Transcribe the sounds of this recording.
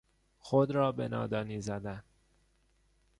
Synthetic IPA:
xod̪ɾɒːbḛnɒ̰ːd̪ɒːniːzæd̪æn

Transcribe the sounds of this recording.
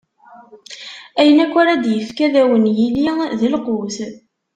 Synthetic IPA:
æjənækʷːaɾad̪jəfkæðæwənjiliðəlqʊθ

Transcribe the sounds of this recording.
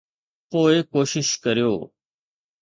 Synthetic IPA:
poːɪkoːʃɪʃkɐɾijo̰ː

